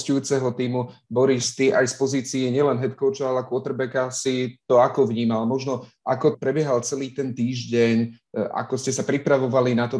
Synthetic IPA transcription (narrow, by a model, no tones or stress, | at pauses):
scujuːt͡sɛɦɔt̪iːmubɔɾiʃt̪iʔajspɔziːt͡siɛɲɪɛlɛnɦɛt̪kɔʊt͡ʃɔalɛkʊɔt̪ɾbɛkasit̪ɔakɔʋɲiːmalmɔʒnɔ | akɔpɾɛbjɛɦalt͡sɛliːt̪ɛnt̪iːʒɟɛɲ | a̰kɔscɛsapɾipɾaʋɔʋalinat̪ɔ